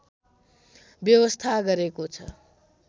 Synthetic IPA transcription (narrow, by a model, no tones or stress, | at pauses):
bjʌwʌst̪ʰaɡʌɾekot͡sʰʌ̰